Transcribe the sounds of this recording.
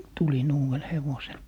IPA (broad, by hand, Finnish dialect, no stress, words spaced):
tulin uːw̆el heʋosel